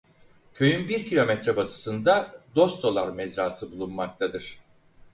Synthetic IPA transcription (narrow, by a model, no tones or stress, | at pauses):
cʰø̞jynbiɾcʰilʲo̞mɛt̪ɾɛbat̪ʰɯ̥sɯnd̪ad̪o̞st̪ʰo̞lˠaɾmɛzɾaːsɯbulˠunmak̚t̪ʰad̪ɯɾ̥